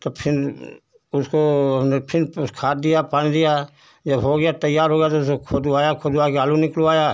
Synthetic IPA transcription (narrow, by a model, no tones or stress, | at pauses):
t̪opʰɪn | ʊskoɐmnepʰɪnkʰaːt̪̚d̪ijapaːnid̪ija | d͡ʒɐbɦoːɡɐjat̪ɐjːaːɾɦoːɡɛjat̪oʊsokʰoːd̪uaːjakʰoːd̪uakeaːlunɪkluaːjaː